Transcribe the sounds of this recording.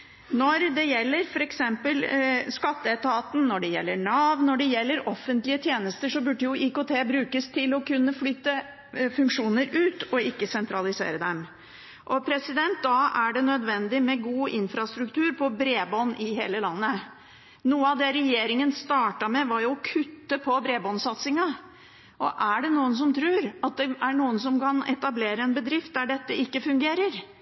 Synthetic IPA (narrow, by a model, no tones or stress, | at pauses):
nɔɾd̪ɛjɛlːəɾfɔɾɛksɛmpəlskɑt̪ːəɛt̪ʰɑːt̪n̩nɔɖɛjɛ̰lːəɳɑːʋnɔɖɛjɛlːəɾɔfːənt̪lɪət̪ʰjeːnəst̪əʂɔbʉɖəjʊʔikot̪ʰeːbɾʉːkəst̪ʰɪlɔkʰʉnːəflyːt̪ə | fʉŋkʂuːnəɾʉːt̪ɔɪkːəsɛnt̪ɾɑlɪsḛːɾəd̪ɛm | ʔɔpʰɾɛsɪd̪ɛnt̪̚d̪ɑæɖɛnœd̪ʋɛnd̪ɪmɛɡuːʔɪnfɾɑst̪ɾʉkt̪ʉːɾpʰɔbɾeːbɔnʔɪɦeːləlɑnːə | nuːəɑʋd̪ɛɾɛjeːɾɪŋənst̪ɑːʈɑmɛʋɑɾjʊɔkʰʉt̪ːəpʰɔbɾeːbɔnsɑt̪sɪŋɑ | ʔɔʔæɖɛnuːəns̬ɔmt̪ʰɾʉːɾɑt̪̚d̪ɛʔæɳuːəns̬ɔmkʰɑnɛ̰t̪ɑbleːɾəɛnbəd̪ɾɪft̪̚d̪æɖɛt̪ːəɪkːəfʉŋɡeːɾəɾ